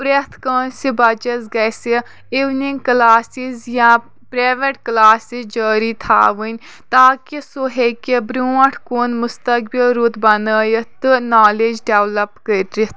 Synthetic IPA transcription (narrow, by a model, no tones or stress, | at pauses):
ɾet̪ʰkəːnsibɐd͡ʒɐzɡɐsi | iʋniŋɡklaːsizjãː | pɾaːʋeʈklaːsizd͡ʒəːɾit̪ʰa̰ːʋənʲ | t̪aːkisoɦekebɾuɐ̃ʈʰkuːnmʊst̪ɐkbilɾut̪bɐnəːjɐt̪ɨnaːleːd͡ʒɖeʋlɐpkəɾɾit̪